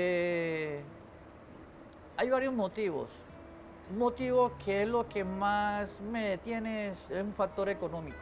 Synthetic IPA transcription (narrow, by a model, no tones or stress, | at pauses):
e | ajβaɾjozmot̪iβo̰s | mot̪iβoskʰeezlokemasmeðet̪jenesesuɱfak̚t̪o̞ɾekonõmiko